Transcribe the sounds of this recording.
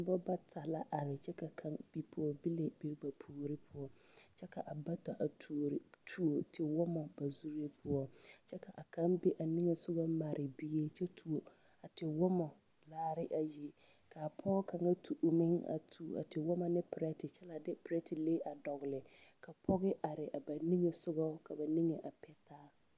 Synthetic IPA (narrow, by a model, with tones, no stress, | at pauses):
bɔ˦ba˦tʰa˨la˦ʔa˨ɾɪ˨t͡ʃɛ˦ka˨kʰa˦ŋb̥i˦pʰʊ˦ɔ˦bɪ˦le˨bi˨ɾɡ͡ba˨pʰuː˨ɾɪ˦pʰʊ˦ɔ˦t͡ʃɛ˦ka˨ʔa˨ba˦ta˨ʔa˨tu˨ɾtʰu˨o˨tʰe˨wɔ˦mɔ˨ba˨zu˦ɾi˦e˦pʰʊ˦ɔ˦t͡ʃɛ˦ka˨ʔa˨kʰa˦mbɛ˦ʔa˨ni˦ŋe˨sʊ˦ɡa˦ma˨ɾʔɪ˨bi˦e˦t͡ʃɛ˦tʰu˨o˨ | a˨tɪ˨wɔ˦mɔ˨ | laː˦ɾɪ˦ʔa˨ji˨ | ka˨pʰɔ˦ka˨ŋa˦tʰu˨ʔu˨mɪ˦ŋa̰˨tʰu˨a̰˨tɪ˨wɔ˦ma˨nɪ˦pɪ˨ɾɛ˦tɪ˨t͡ʃɛ˦la˨dɪ˦pɪ˨ɾɛ˦tɪ˨leː˦ʔa˨dɔ˨ɣɪ˨lɪ˨kʰa˨pʰɔ˦ɣɪ˦ʔa˨ɾɪ˨ʔa˨ba˨ni˦ŋe˨sʊ˦ɡɔ˦ka˨ba˨ni˦ŋe˨ʔa˨pɛ˦tʰaː˦